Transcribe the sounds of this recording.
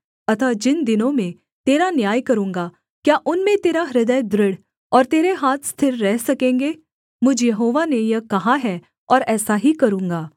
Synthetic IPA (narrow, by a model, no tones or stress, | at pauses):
ɐt̪ʰad͡ʒɪnd̪ɪnõmẽ | t̪eːɾanjaːjkɐɾũːŋɡa | kjaːʔʊnmẽt̪eːɾaɾɪd̪əjb̪ɾɪɽ | ɔːɾt̪eːɾeɦaːt̪ʰst̪ʰɪɾːɛɦsɐkẽːŋɡeː | mʊd͡ʒʱjɐɦoːʋanejɐkɐɦaɦɛ | ɔːɾɛːsaɦikɐɾũːŋɡaː